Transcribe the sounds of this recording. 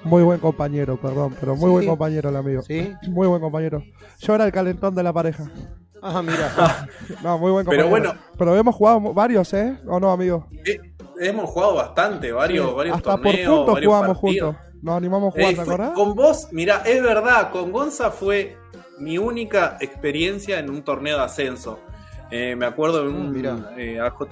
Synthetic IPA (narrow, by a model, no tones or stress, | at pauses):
mujβwe̞ŋko̞mpaɲe̞ɾopeɾðo̞mpeɾo̞mujβweŋko̞mpaɲe̞ɾolamiɣosimujβwe̞ŋko̞mpaɲe̞ɾo̞ | ʒ̥oeɾaelkale̞nt̪o̞nd̪e̞lapaɾe̞xa | amiɾa | nomujβweŋkompeɾoβwenope̞ɾoe̞mosxuɣaðomβaɾjo̞seono̞amiɣoe | emosxuɣaðoβast̪ant̪eβaɾjoβaɾjoast̪aɾnpoeɾepunt̪oaɾuɣamosxunos | nosanimamosxuɣaɾd̪akoɾðaombosmiɾaʔezβeɾðako̞ŋɡo̞nsafwe | miunikaekspeɾje̞nsjaenunt̪oɾneoðasensoemeakwe̞ɾð̞oenunmiɾaeaxot̪